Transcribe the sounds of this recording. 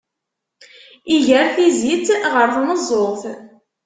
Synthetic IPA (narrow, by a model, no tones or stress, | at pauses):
iʝəɾθizit͡sʁəɾθnəzˤoʁθ